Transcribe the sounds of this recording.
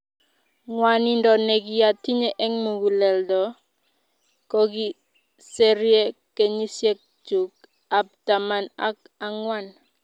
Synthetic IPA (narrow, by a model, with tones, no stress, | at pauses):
ŋwa˨ni˦ndɔ˨ne˨ɡi˨ja˨ti˦ɲe˨ʔɛ˦ŋmu˨ɡu˨lɛ˨ldɔ˨ | kɔ˦ɡi˦ | se˦ɾje˦ke˦ɲi˦sje˦k̚d͡ʒu˨k̚ | a˨p̚ta˨ma˨na̰˦k | a˨ŋwa˦˨n